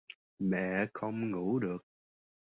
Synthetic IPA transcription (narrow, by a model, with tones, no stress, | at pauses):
mɛ̰˧˨xə˧wŋ͡mŋu˧˥ɗɨ˨˩ək̚